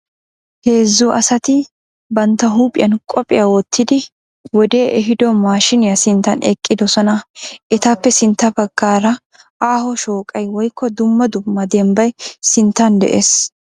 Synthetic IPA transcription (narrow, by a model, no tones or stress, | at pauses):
he̞ːzːʊʔɐsɐt̪ɪ | bɐnt̪ːɐɦuːpʼɪjɐnkʼɔpʼɪjɐwɔt̪ːɪd̪ɪ | wɔd̪e̞ːʔɛɦɪd̪ɔmaːʃɪnɪjɐsɪnt̪ːɐnɛkʼːɪd̪ɔsɔnɐʔɛt̪ɐpːɛsɪnt̪ːɐbɐɡːaːɾɐ | ʔaːhɔʃoːkʼɐjwɔjkːɔd̪ʊmːɐd̪ʊmːɐd̪ɛmbɐjsɪnt̪ːɐnd̪ɛ̰ʔeːs